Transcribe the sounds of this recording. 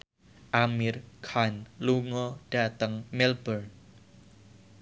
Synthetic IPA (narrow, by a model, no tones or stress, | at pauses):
ʔamirkʰanluŋɔɖ̥a̤t̪əŋmɛlbər